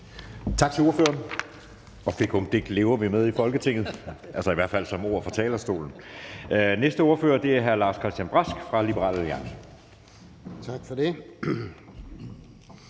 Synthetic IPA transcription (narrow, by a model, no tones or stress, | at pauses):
t͡sʰɑ̈ɡ̥t͡sʰeoɐfø̰ːɐn | ɒ̽fe̝ɡ̥ʰomd̥e̝ɡ̥le̝ːʊɐʋimeð̞ˠifɒ̽lɡ̥ət͡sʰe̝ŋ̰ð̞̩ˠʔælsɐiʋæɐ̰d̥fæl̰sɒ̽mo̝ɐ̰fɒ̽t͡sʰɛ̰ːlɐsd̥o̝̰ːln̩ | nesd̥əo̝ːɐfø̰ːɐd̥e̝æɐɦæɐlɑ̈ːskʰʁɛsd̥jænb̥ʁɑsɡ̥fʁɑ̈lib̥əʁɑ̰̈ːlæliɑ̈ŋ̰sə | t͡sʰɑɡ̥fɒd̥e